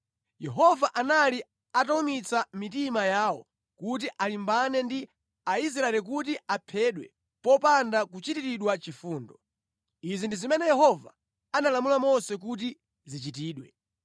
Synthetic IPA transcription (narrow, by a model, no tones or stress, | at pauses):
jɛɦɔvaʔanali | ataumit͡samitimajaːwɔ̰ | kut̬iʔalimbanɛndi | ais̬ɾaɛlik̬ut̬iapʰɛɗwɛ̰ | pɔpandakut͡ʃitiɾiɗwat͡ʃifuːndɔ | izindizimɛnɛjɛɦɔva | analamulamɔsɛk̬ut̬i | zit͡ʃitiːɗwɛ̰